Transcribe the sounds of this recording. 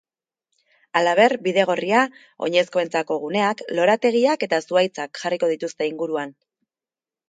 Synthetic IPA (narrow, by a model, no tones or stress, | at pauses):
alaβ̞e̞ɾbiðe̞ɣ̞o̞ria | o̞̰ɲe̞sko̞e̞nt͡sako̞ɣ̞une̞aklo̞ɾat̪e̞ɣ̞iake̞t̪asuajt͡sakxariko̞ð̞it̪ust̪e̞iŋɡuɾuan